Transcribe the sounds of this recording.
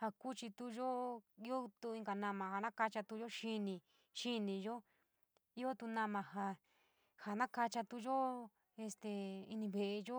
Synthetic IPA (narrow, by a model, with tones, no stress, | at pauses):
ha˧ku˦t͡ʃi˧t̪u˧ʒo˦˧i˦o˦t̪u˧i˧ŋɡa˨nã˧mã˨˧ha˨nã˦ka˧t͡ʃa˧t̪u˧ʒo˦ʃi˦˧nĩ˧ | ʃi˦nĩ˧ʒo˦ | i˦o˦t̪u˧nã˧mã˧ɦa˧ | ha˨nã˦ka˧t͡ʃa˧t̪u˧ʒo˦ | e˧st̪e˨˧ḭ˧nĩ˧βe˧ʔe˧ʒo˦